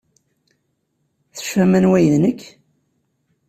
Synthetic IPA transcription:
θə̥fæmænwæjðnəkː

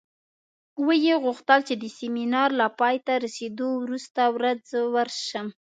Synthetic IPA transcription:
wəjeɣʊxt̪əlt͡ʃed̪əseminɑɾlapɑjt̪aɾased̪owɾust̪awɾad͡zəwəɾʃəm

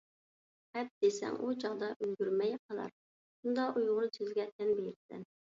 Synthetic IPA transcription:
hɛp̚d̪̥esɛ̰ŋʔud͡ʒɑʁd̪ɑʔølɡʲyɾmɛjqʰɑlˠɑ̰ɾ | ʃund̪ɑʔujʁʊnɨsʰøzɡʲɛt̪ʰɛnbeɾɪsɛ̰n

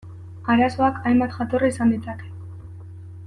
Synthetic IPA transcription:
aɾaso̞akajmbat̪ʝat̪o̞raisand̪it͡sake̞̥

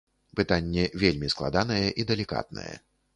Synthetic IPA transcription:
pɨt̪anʲːɛvʲelʲmʲisklˠa̰d̪anɐjɛʔid̪ɛlʲika̰t̪̚nɐ̰jɛ̰

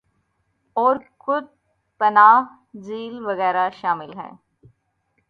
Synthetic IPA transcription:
ɔːɾkʊd̪̚ | pɐnaːɦ | d͡ʒiːlʋɐɣɛːɾaʃaːmɪlɦɛ̰̃ː

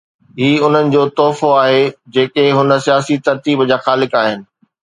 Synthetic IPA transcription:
ɦiːʊn̤ənɪ̆d͡ʑoːt̪ɔːfoaːɦed͡ʑeːkeɦʊnə̆sijaːsit̪ɐɾt̪iːbd͡ʑaːxaːlɪkaːɦɪnɪ̆

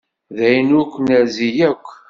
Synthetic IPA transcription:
ðæjnʊkʷːnæzijækʷː

